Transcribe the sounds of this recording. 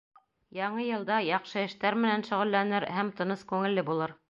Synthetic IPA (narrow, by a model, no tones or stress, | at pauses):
jɑɴɤjɤ̆lˠd̪ɑjɑqʃɤɘ̆ʃt̪æɾmɘ̆nænʃɵ̆ʁɘ̆lːænɘɾhæmt̪ɤ̆nɤskʉŋɘ̆lːɘbulˠɤɾ